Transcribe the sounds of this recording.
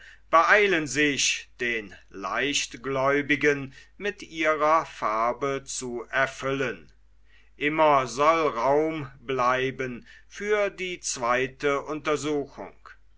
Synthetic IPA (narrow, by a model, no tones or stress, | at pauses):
b̥əʔaɪlənzɪʃd̥eːnla̰ɪʃtɡ̥lɔʏbɪɡənmɪtʔiːʁɐfaɐbət͡suʔɛɐfʏlən | ʔɪmɐzɔlʁaʊmblaɪbən | fyːɐdiːt͡sv̥aɪtəʔʊntɐzuːxʊ̰ŋ